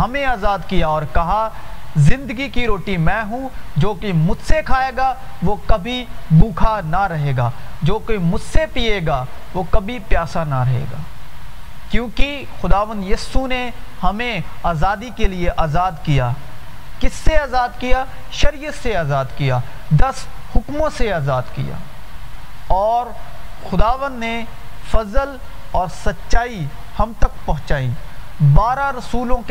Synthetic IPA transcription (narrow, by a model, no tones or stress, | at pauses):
ɦɐmẽaːzaːd̪kijaɔːɾkɐɦazɪ̃nd̪əɡikiɾoːʈimɛ̃ːɦũd͡ʒoːkemʊd͡ʒsekʰaːeːɡaʋoːkɐbʱibũːkʰanaɾɐɦeːɡaːd͡ʒoːkemʊd͡ʒsepijeːɡa | ʋoːkɐbʱipjaːsanaɾɐɦḛːɡaː | kjõːki | xʊd̪aːʋə̃nd̪jiːsunehɐmẽaːzaːd̪ikelieʔaːzaːd̪kijaː | kɪsːeaːzaːd̪kija | ʃɐɾijət̪seaːzaːd̪kijaː | d̪ɐshʊkmõseaːzaːd̪kḭja̰ː | ɔːɾxʊd̪aːʋə̃nd̪ne | fɐzəl | ɔːɾsɐtːʃaːi | hɐmt̪ɐkpɐɦʊ̃t͡ʃaːĩbaːɾaɾɐsuːlõk